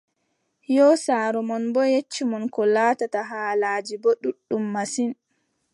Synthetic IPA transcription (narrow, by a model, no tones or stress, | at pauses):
jɔsaːɾɔmɔnbɔjet͡ʃːimɔnkɔlaːtataɦaːlaːd͡ʒibɔɗuɗːumːasin